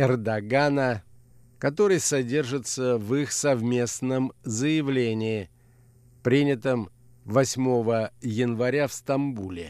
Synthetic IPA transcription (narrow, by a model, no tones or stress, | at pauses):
ɛrd̪ɐɡanə | kɐt̪o̞ɾɨjsɐdʲe̞rʐɨt̪səvixsɐvmʲe̞snəmzəjɪvlʲenʲɪː | pɾʲinʲɪt̪əm | vɐsʲmo̞vəjɪnvɐɾʲafst̪ɐmbulʲɪ̰